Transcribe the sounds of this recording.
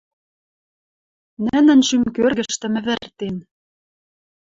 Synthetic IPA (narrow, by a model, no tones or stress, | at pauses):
nɘ̆nɘ̆nʃymkørɣɘ̆ʃt̪ɘ̆mɘ̆βɘ̆rt̪en